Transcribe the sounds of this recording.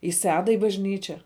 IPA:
ɪ ˈsʲæːdɑː ɪ bɐʒʲˈnʲiːt͡ʃʲɛ

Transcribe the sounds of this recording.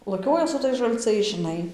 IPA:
lˠɐˈkʲoːjɛ sʊ ˈtɐɪs ʒɐlˠˈt͡sɐɪs ʒʲɪˈnɐɪ

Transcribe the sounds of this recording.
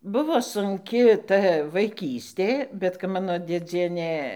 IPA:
ˈbʊʋoː sʊŋʲˈkʲɪ ˈtɐ ʋɐɪˈkʲiːsʲtʲeː bʲɛt kɐp ˈmɑːnoː dʲeːˈd͡zʲiɛnʲeː

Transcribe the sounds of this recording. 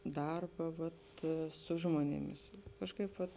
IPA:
ˈdɐrbɐ ʋɐt ˈsʊ ʒmoːnʲeːˌmʲɪs ˈkɑːʃˌkɐɪp ʋɐt

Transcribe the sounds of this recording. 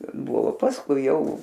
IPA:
ˈbʊʋoː pɐsˈkʊɪ ˈjɛʊ

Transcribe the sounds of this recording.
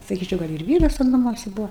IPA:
sɐˈkʲiːt͡ʃʲɛʊ ɡɐlʲ ɪr ˈʋʲiːrɐs tʲɛn nɐˈmuɔsʲɛ ˈbuɔ

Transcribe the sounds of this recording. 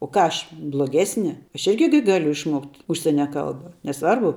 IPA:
oː ˈkɑː ˈɐʃ blˠoːˈɡʲæːsʲnʲɪ ˈɐʃ ˈɪrʲɡʲɪ ɡʲɪ ˈɡɑːlʲʊ ɪʃˈmoːktʲ ʊʃʲˈsʲiɛnʲɛ ˈkɐlˠbɐ nʲɛˈsʋɐrbʊ

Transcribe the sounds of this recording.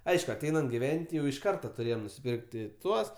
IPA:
ˈɐɪʃkʊ ɐˈtʲɛɪnɐnt ɡʲɪˈʋʲɛnʲtʲ jɛʊ ɪʃ ˈkɐrtɐ tʊˈrʲeːjɛm nʊsʲɪpʲɪrktʲ tʲɪ ˈtuɔs

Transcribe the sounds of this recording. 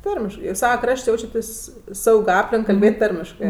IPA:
ˈtɐrʲmʲɪʃkɜ ɪr ˈsɑːʋɐ ˈkrɐʃʲtʲ ˈjɛʊt͡ʃʲɛtʲeːsʲ ˈsɐʊkʲ ˈɑːpʲlʲɪŋk kɐlʲˈbʲeːtʲ ˈtɐrʲmʲɪʃkɜ

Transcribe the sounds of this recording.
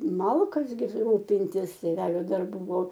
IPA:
ˈmɐlˠkɐs ɡʲɪ ˈruːpʲɪnʲtʲɪs tʲeːˈʋʲæːlʲoː dɐrˈbuː ˈbʊʋoː

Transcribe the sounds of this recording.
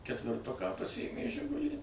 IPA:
kʲɛtʲʋʲɪrˈtʊkɑː pɐˈsʲɪjeːmʲeː ˈʒʲɪɡʊlʲiː

